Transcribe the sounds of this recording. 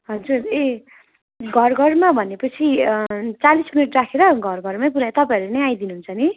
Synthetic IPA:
ɦʌd͡zure | ɡʱʌrɡʱʌrmabʱʌnepʌt͡sʰit͡salisminuʈrakʰeɾʌɡʱʌrɡʱʌrmap̬uɾat̪ʌpãʌɾunʌjajd̪inuɦũnt͡sʰʌni

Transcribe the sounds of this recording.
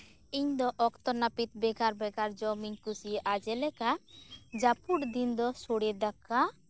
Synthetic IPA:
iɲd̪ɔʔɔkt̪ɔnapit̪̚bɛɡaɾbɛɡaɾd͡ʒɔmiɲkusiʔad͡ʒɛlɛkad͡ʒapuʈd̪ind̪ɔsoɽɛd̪aka

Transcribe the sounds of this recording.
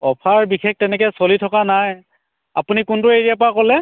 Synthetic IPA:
ɔpʰaɹbikʰek̚tɛnɛk̬ɛsolitʰɔkanaj | apunikʊntʊeɹijap̬akɔlɛ

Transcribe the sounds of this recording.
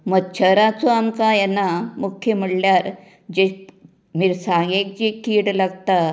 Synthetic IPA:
məɡt͡ɕʰəɾat͡soamkajɛnːamukʰjəməɽljaɾ | d͡ʑe | miɾsaɡek̚d͡ʑekiːɽlaɡt̪a

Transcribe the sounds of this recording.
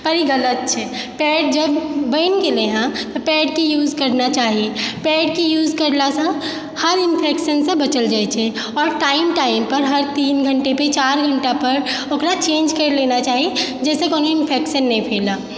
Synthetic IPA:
pəɾiɡələt̪̚t͡ʃʰɛ | pɛːɖ̚d͡ʒəbːənkeleɦãt̪ɔpɛːɖkejuːzkəɾnat͡ʃaːɦipɛːɖkejuːzkəɾlasə̃ | həɾinpʰekʃənsẽbət͡ʃəld͡ʒaːjt͡ʃʰɛ | ɔːɾʈaɪmʈaɪimpəɾɦəɾt̪iːnɡʱəɳʈepet͡ʃaɾɡʱəɳʈapəɾokɾat͡ʃẽːnd͡ʒkəɾlenat͡ʃaːɦid͡ʒɛːsekoːnoɪnpʰekʃənːɛĩpʰeːla

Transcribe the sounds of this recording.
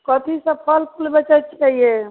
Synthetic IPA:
kət̪ʰisə̃pʰəlpʰulbət͡ʃət̪t͡ʃʰaɦie

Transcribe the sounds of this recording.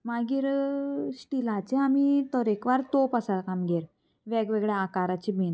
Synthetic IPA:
maɡiːɾsʈilat͡sẽamit̪ɔɾekʋaɾt̪opasalkamɡeɾ | ʋɛɡʋeɡɭɛakaɾat͡ɕibin

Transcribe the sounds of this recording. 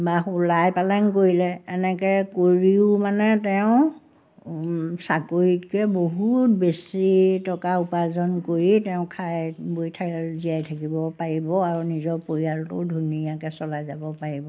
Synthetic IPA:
baxulajpalank̬oɹilɛɛnɛkɛkoɹiʊmanɛtɛʊ̃ | sakoɹitkɛboɦut̚besitɔkaupazɔnkoɹitɛʊ̃kʰajbojtʰaziajtʰakibɔpaɹibɔaɹunizɔɹpoɹiaɹtʊ̰dʱunijakɛsɔlajzabɔpaɹibɔ

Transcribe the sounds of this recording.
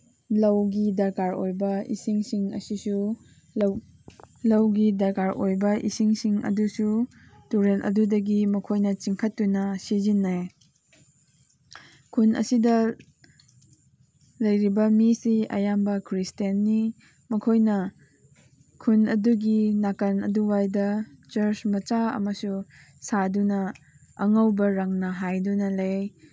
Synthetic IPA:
lɐwɡidɐɾkaɾojbɐḭsiŋsiŋɐ̰sisu | lɐwɡidɐɾkaɾʔojbɐʔḭsiŋsiŋɐ̰dusu | tuɾenʔɐ̰dudɐɡimɐkʰojnɐt͡ʃiŋkʰɐtːunɐsizinːaj | kʰunʔɐ̰sidɐ | lɐjɾibɐmisiɐ̰jambɐkʰɾistiɐnːi | mɐkʰojnɐ | kʰunɐduɡinakɐnɐ̰duwajdɐ | t͡ʃɐɾt͡ʃmɐt͡ʃaɐ̰mɐsu | sadunɐ | ɐŋɐwbɐɾɐŋnɐɦajdunɐlɐj

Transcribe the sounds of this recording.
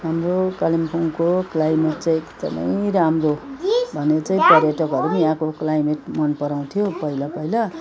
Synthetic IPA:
ɦamɾokalimpʰoŋkoklajmeʈ̚t͡saĩekt̪ʌ̰mʌ̰j̃ɾamrobʱʌnet͡sãĩpʌɾjʌʈʌkʌɾunijãkoklajmeʈmʌnpʌɾaw̃t̪ʰijopʌilapʌila

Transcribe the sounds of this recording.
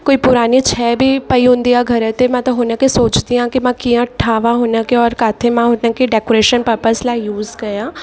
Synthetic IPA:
koːiːpʊɾaːniːt͡ʃʰɛːbʱiːpəiɦʊ̃nd̪iːaːɡʱəɾɛt̪emɛ̃ːt̪ãɦʊːnãːkesoːt͡ʃd̪iãːkimãːkijãːʈʰaːʋãːɦʊnãːkeɔːɾkaːt̪ʰemãːɦʊnãːkiɖɛːkoːɾeːʃənpəɾpəslaːijuːzɡəjãː

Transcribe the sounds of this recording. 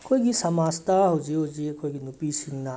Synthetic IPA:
kʰoiɡisɐmaːst̪aɦod͡ʒiod͡ʒiekʰoiɡinupisinna

